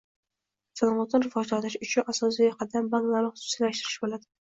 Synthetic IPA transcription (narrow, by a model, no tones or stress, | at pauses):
salˠɒmɒt̪nɪɾɪvɒd͡ʒlalɪʃʊt͡ʃʰʊnʔasɒs̬ijɒqʰɑd̪ambanlˠaɾnɪχʊsʊ̥sɪlaʃt̪ɪɾɪ̥ʃbolad̪ɪ